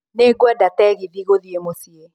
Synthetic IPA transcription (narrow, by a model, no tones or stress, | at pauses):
neɡwɛdatɛɣiðiɣoðjemosje